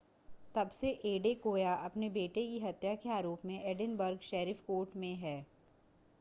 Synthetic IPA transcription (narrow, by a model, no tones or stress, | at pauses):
t̪ɐbseʔeːɖekoːjaʔɐpnebeːʈekiɦɐt̪jakeaːɾoːpmẽʔɛɖɪnbəɾɡʃɛːɾifkoːɾʈmẽɦɛː